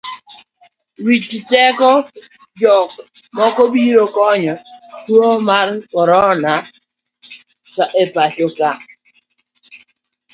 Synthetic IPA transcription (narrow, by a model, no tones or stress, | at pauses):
wit͡ʃitɛkɔ | d͡ʒɔk | mɔkɔbiɾokɔɲɔtuomaɾkɔɾɔna | kaʔepaʃoka